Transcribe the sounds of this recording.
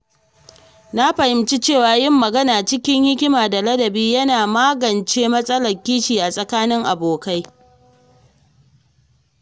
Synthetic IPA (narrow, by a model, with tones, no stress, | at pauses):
na˦ɸɐ˨hɪ˨mt͡ʃi˦t͡ʃeː˦˨waː˨jɪ˦˨mːɐ˨ɡɐ˦naː˨t͡ʃɪ˦kʲɪ˦ŋhɪ˦kʲɪ˦maː˨da˨lɐ˦dɐ˨biː˦jɐ˦naː˨maː˦ɡɐ˨nt͡ʃeː˦mɐ˦sʼɐ˦lɐ˨rkʲiː˦ʃiː˨ʔa˨sʼɐ˨kaː˦nɪ˦ŋʔa˨boː˨ka˦j